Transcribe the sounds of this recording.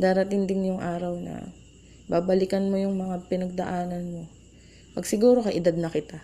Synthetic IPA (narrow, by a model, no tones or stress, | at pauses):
d̪aːɾɐt̪ɪŋd̪ɪnjʊŋʔaːɾɐwnɐ̰ | baːbɐlɪkɐnmo̞jʊŋmɐŋapɪnɐɡ̚d̪ɐʔaːnɐnmo̞ | pɐɡsɪɡuːɾo̞kɐjʔɪd̪ad̪̚nɐkɪt̪a